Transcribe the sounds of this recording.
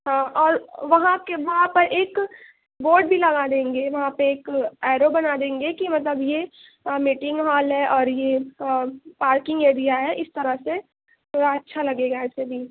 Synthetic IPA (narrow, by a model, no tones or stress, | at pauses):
ɦãʔɔːɾʋɐɦãkeʋɐɦãpɐɾʔeːk | boːɾɖ̚bʱilɐɡad̪ẽːŋɡeʋɐɦãpeeːkɛːɾobɐnad̪ẽːŋɡekimɐt̪̬ləbje | miːʈɪ̃ŋɡɦaːlɦɛʔɔːɾje | paːɾkɪ̃ŋɡeːɾijaɦɛʔɪst̪ɐɾəɦse | t̪oɾaɐtːʃʰalɐɡeːɡaɛːsebʱiː